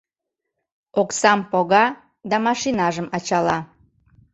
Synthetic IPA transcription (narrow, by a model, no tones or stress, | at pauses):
oksɑmpoɣɑ | d̪ɑmɑʃinɑʒəmɑt͡ɕɑlɑ